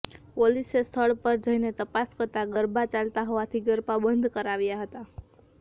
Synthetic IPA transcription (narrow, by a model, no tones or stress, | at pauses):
polisest̪ʰəɭpəɾd͡ʒəinet̪əpaskət̪aɡəɾbat͡ʃalt̪aɦoʋat̪ʰiɡəɾpabə̃nd̪ʱkəɾaʋjaɦət̪a